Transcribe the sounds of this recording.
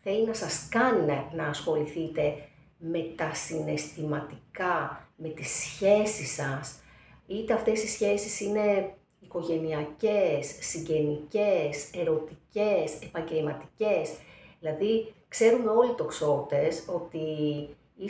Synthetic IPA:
θe̞linɐsɐskɐnnɐːsxo̞liθit̪e̞ | me̞t̪ɐsine̞st̪imɐt̪ikɐme̞t̪isçe̞sisɐs | it̪e̞ɐft̪e̞sisçe̞sisine̞ | iko̞ʝe̞niɐce̞sːiɲɟe̞nice̞se̞ɾo̞t̪ice̞se̞pɐɲɟe̞lmɐt̪ice̞sðilɐðikse̞ɾumeo̞lit̪o̞kso̞t̪e̞so̞t̪i | i

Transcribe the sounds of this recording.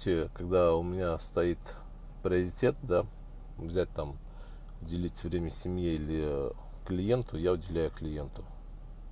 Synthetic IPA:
tʲɪkɐɡd̪aʊmʲɪnʲast̪ɐit̪ | pɾʲɪəɾʲɪtʲe̞t̪d̪a | vzʲæt̚ʲt̪am | ʊdʲɪlʲitʲvɾʲemʲəsʲɪmʲjeilʲɪ | klʲɪje̞nt̪ʰʊjaʊdʲɪlʲæjʊklʲɪje̞nt̪ʊ

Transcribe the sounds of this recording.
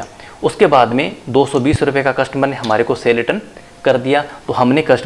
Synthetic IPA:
aː | ʊskebaːd̪mẽd̪oːsɔbiːsɾʊpekakɐʃʈmənɦɐmaːɾekoseːlɪʈən | kɐɾd̪ijat̪oɦɐmnekɐʃʈ

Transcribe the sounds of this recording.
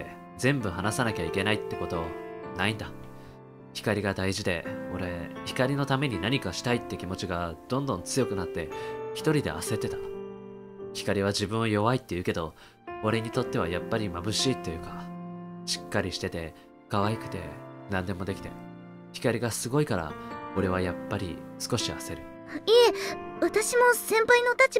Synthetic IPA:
zẽ̞mbɯ̟hanasanakʲaikʲe̞nait̪ːe̞ko̞t̪o̞naĩnd̪a | çʲi̥kaɾʲiɡad̪aiʑid̪e̞̰o̞ɾe̞çi̥kaɾʲino̞t̪ame̞ɲ̟inaɲ̟ikaɕi̥t̪ait̪ːe̞kʲimo̞t͡ɕiɡad̪̥õ̞nd̪õ̞nt͡sɨjo̞kɯ̟nat̪ːe̞çi̥t̪o̞ɾʲid̪e̞̰a̰se̞t̪ːe̞t̪ḁ | çi̥kaɾʲiβ̞aʑibɯ̟̃ɰ̃ojo̞βait̪ːe̞jiɯ̟ke̞d̪o̞ | o̞ɾe̞ɲ̟it̪o̞t̪ːe̞β̞a̰japːaɾʲimabɯ̟ɕiːt̪ːejɯ̟ka | ɕi̥kːaɾʲiɕi̥t̪e̞t̪e̞ | kaβaikɯ̟̥t̪e̞̰nãnd̪e̞mo̞d̪e̞kʲi̥t̪e̞̰ | çʲi̥kaɾʲiɡasɨɡo̞ikaɾa̰oɾe̞β̞ajapːaɾʲḭsɨ̥ko̞ɕiase̞ɾɯ̟ | eːβat̪aɕimo̞sẽ̞mpaino̞t̪at͡ɕi

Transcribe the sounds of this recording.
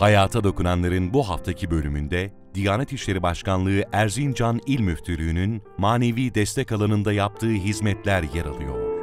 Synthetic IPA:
hajaːt̪ʰad̪o̞kunanlˠaɾɯnbuɦaft̪ʰacʰibø̞lʲymynd̪ɛ | d̪̥ijaːnɛt̪iʃlʲe̞ɾibaʃkanlˠɯɯʔæɾzind͡ʒanilʲmyft̪ʰylʲyːnynmaːne̞viːd̪ɛst̪ʰɛcalˠanɯnd̪ajap̚t̪ʰɯːɦizmɛt̪lʲæɾjeɾa̰lˠɯjo̞̰ɾ̥

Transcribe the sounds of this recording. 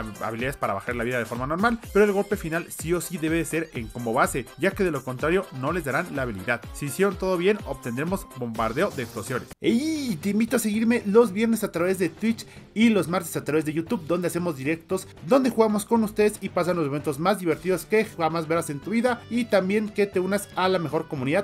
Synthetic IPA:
a̰βiliaðespaɾaβaxaɾlaβiðaðefo̞ɾmano̞ɾmalpe̞ɾoe̞lɣo̞lpe̞finalsio̞siðe̞βe̞ðese̞ɾeŋko̞mo̞βase̞ʝake̞ðe̞lo̞ko̞nt̪ɾaɾjo̞no̞le̞zðaɾanlaːβ̞ilḭðaðsiːsje̞ɾo̞nt̪o̞ðo̞βje̞no̞pt̪e̞nd̪ɾemo̞zbo̞mba̰ɾðe̞o̞ðeeksplosjo̞neset̪eimbit̪oase̞ɣiɾme̞lo̞zβje̞ɾne̞sat̪ɾaβe̞zðet̪wit͡ʃ | ilo̞zmaɾt̪e̞sat̪ɾaβe̞zðe̞ʝut̪uβd̪o̞nd̪ease̞mo̞zd̪iɾe̞kt̪o̞s | d̪o̞nd̪e̞xuɣamo̞sko̞nust̪e̞ðesipas̬anlos̬me̞ent̪o̞zmazd̪iβe̞ɾt̪iðo̞ske̞amazβeɾase̞nt̪uβiðait̪ambje̞ŋke̞t̪e̞unasalame̞xo̞ɾko̞muniðað

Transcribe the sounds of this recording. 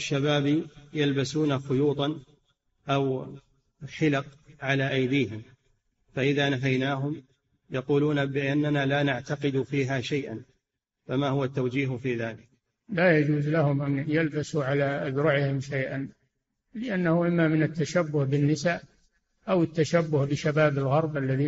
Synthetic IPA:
ʃːabaːbijalbasuːnafʊjuːt̪ˤɑn | ʔaw | ħɪlɑqʕalaːʔajd̪iːɦɪm | faʔɪðaːnafajnaːɦʊm | jɑquːluːnabɪʔanːanaːlaːnaʕt̪aqɨd̪ufiːɦaːʃajʔa̰n | famaːhʊwat̪ːawd͡ʒiːɦfiːðaːlɪk̚ | laːjad͡ʒuːzlahʊmʔanjalbasuʕalaʔad̪ɾʊʕɪhɪmʃajʔan | lɪʔanːahʊʔɪmːamɪnat̪ːaʃabːʊhbɪnːɪsaː | ʔawɪt̪ːaʃabːʊhbɪʃabaːbɪlɣɑɾˤbʔalːaðiː

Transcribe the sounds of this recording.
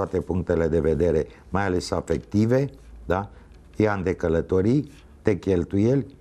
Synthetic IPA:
at̪e̞puŋk̚t̪e̞le̞d̪e̞ve̞d̪e̞ɾe̞ | majale̞safe̞kt̪ive̞d̪a | eand̪e̞kələt̪o̞ɾij | t̪e̞kʲe̞lt̪uje̞lʲ

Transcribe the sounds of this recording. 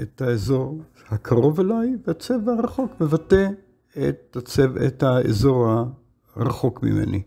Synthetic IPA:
ethaezo̞ʁ | hakʰaʁo̞velajvehat͡sevhaʁaχo̞kmevate | etat͡sevḛthaḛzo̞ʁha | ʁaχo̞kmḭmḛnḭ

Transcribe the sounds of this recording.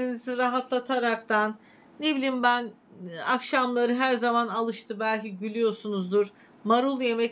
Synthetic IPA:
iniziɾaɦat̪lˠat̪ʰaɾakt̪ʰanː | ebilʲimbæn | akʃamlˠaɾɯɦæɾzamanalˠɯʃt̪ʰɯbælʲciɟylʲyjo̞ɾsunuzd̪uɾ | maɾulˠje̞mɛ

